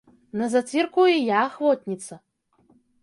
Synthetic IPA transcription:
nɐzat͡s̪ʲirkujɛjaːxvɔt̪ʲnʲit̪sɐ

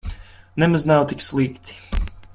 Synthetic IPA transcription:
nɛmaznawt̪ikslˠiːkt̪i̥

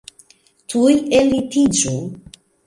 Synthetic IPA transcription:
t̪ʰujelit̪ʰid͡ʒu

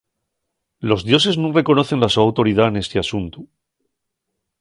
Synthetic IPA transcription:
lo̞zðjo̞s̬e̞znũŋre̞ko̞no̞θe̞nlasoawt̪o̞ɾið̞aene̞st̪easunt̪u

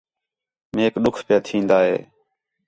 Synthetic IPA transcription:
meːkɗʊkʰpɪjaːt̪ʰĩːnd̪aːɦḛː

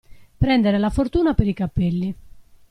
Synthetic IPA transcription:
pɾɛnd̪eɾelafort̪uːnapeɾikapːelːi

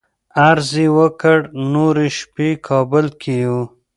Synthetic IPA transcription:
aɾziwəkəɽnoɾiʃpikʰɑbəlkʰiju

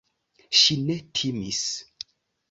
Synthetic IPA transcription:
ʃinetʰimḭs

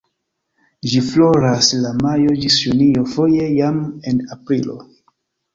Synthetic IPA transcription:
d͡ʒiflo̞ɾaslamajo̞d͡ʒisjunijofo̞je̞jamenapɾilo̞̰

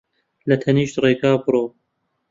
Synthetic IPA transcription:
lɐt̪ʰɐniːʃt̪reːɡaːbɨɾoː

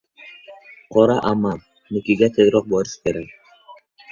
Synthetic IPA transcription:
qʰɒɾaʔamːan | nɪkʲɪɡʲat̪ʰezɾɒq̚bɒɾɪʃkʲʰeɾakʲ

